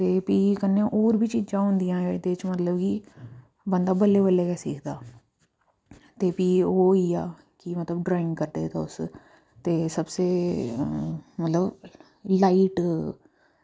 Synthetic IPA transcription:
t̪eːpiːkənːẽʔoːɾbʱiːt͡ʃiːd͡ʒãːɦʊ̃nd̪ijãːed̪et͡ʃmət̪ləbki | bə̃nd̪aːbəlːeːbəlːeːkɛsiːkʰd̪aː | t̪eːpiːoːiːaː | kimət̪ləbɖɾaːɪ̃ŋɡkəɾd̪eːt̪ʰeːʊs | t̪eːsəbseː | mət̪ləb | laːiʈ

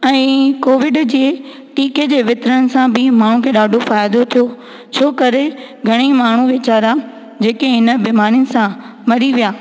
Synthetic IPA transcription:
ɛ̃ːkoːʋɪɖd͡ʑi | ʈiːked͡ʑeːʋɪt̪ɾənɪ̆sãbɪmaːɳ̤ũkʰeːɗaːɖʱofaːjd̪ot̪ʰijo | t͡ɕʰoːkɐɾe | ɡʱɐɽ̃imaːɳ̤uʋɪt͡ɕaːɾa | d͡ʑeːkeɦɪnə̆biːmaːɾiʊnɪ̆sã | mɐɾiʋijaː

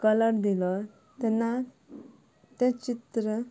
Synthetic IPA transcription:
kələɾd̪ilɔ | t̪ɛnːa | t̪ɛ̃t͡ɕit̪ɾə

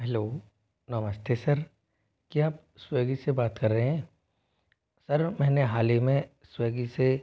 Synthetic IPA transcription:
ɦɛloː | nɐməst̪esɐɾ | kiaːp̚ | sweːɡisebaːt̪kɐɾːəɦeɦɛ̃ː | sɐɾmɛ̃ːneɦaːlimẽ | sweːɡise

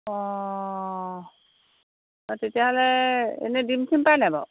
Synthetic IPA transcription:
ɔ | atetijaɦɔlɛḛnɛdimtʰimpajnabɔ̰

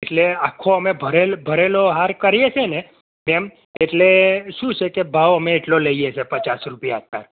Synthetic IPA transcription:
eʈleakʰːoəmebʱəɾelbʱəɾeloɦaɾkəɾijet͡ʃʰene | mem | eʈleʃũt͡ʃʰekebʱaʋəmẽːʈloləiet͡ʃʰepət͡ʃasɾupijaːt̪a̰ɾ

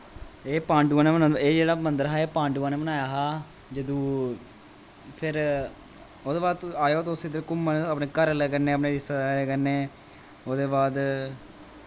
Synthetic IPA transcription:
eːpãːɳɖuãːneːmənãeːd͡ʒeːɽaːmənd̪əɾɦaːeːpãːɳɖuːãːneːbənaːjaːɦaː | d͡ʒəd̪ũː | pʰɪɾ | oːd̪eːbaːd̪t̪aːjoːt̪osid̪ɾkʊmːanaːpneːkəɾlɛːkəɾneːəpneːɾɪsaːd̪aleːkəɾneː | oːd̪eːbaːd̪

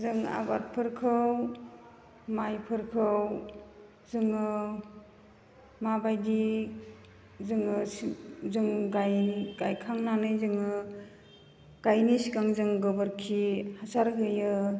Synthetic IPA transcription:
zɯŋa̰bat̚pʰɯɾkʰɯw | majpʰɯɾkʰɯw | zɯŋɯ | mabajdi | zɯŋɯszɯŋɡajɡajkʰaŋnanɯjzɯŋɯ | ɡ̥ajnisikaŋzɯŋɡɯbɯɾkʰihasaɾɦɯjɯ

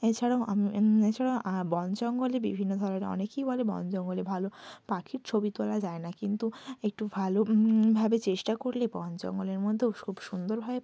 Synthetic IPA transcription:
et͡ɕʰaɽaoʔamiet͡ɕʰaɽaoabɔnt͡ɕɔŋɡolebḭbʱinːod̪ʱɔɾoneɔ̰nekejbɔlebɔ̰nd͡ʑɔŋɡolebʱalopakʰiɾt͡ɕʰobit̪olad͡ʑaenakint̪uek̚ʈubʱalobʱabet͡ɕeʃʈakoɾlebɔnt͡ɕɔ̰ŋɡoleɾmod̪ʱːekʰubʃund̪oɾbʱabe

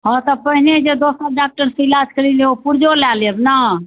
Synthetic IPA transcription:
ɦɔ̃t̪ɔpəɦined͡ʒed̪osəɖak̚ʈəɾsəilad͡ʒkəɾileopuɾd͡ʒolaləbna

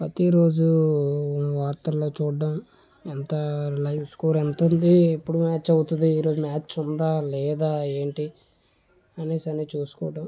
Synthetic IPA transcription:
pɾɐt̪iɾo̞ːd͡ʒu | ʋaːɾt̪ɐlo̞ːt͡ʃuːɖːɐm | ent̪ɐlɐjʋskuːɾent̪und̪iepːuɽumaːt͡ʃɐwut̪und̪iːɾo̞ːd͡ʒumaːt͡ʃund̪aːlɛːd̪aːe̞ːɳʈi | ɐneːsɐneːt͡ʃuːsu̥kɔːɖɐm

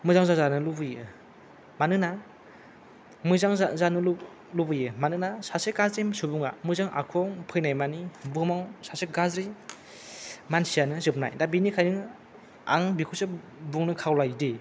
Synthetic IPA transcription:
mɯzaŋzazanɯlubɯje | manɯna | mɯzaŋzanɯl | lubɯjemanɯnasaseɡazɾemsubuŋa̰mɯzaŋʔa̰kʰɔŋpʰɯjnajmanibɯmawsaseɡazɾi | mansijanɯzɯp̚na̰jdabinikʰajnɯ | a̰ŋbikʰɯse | buŋnɯkʰawlajdi

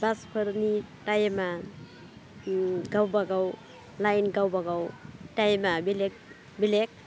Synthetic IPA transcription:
baspʰɯɾnitajma | ɡawbaɡaw | lajnɡawbaɡawtajmabilek̚ | bilek̚

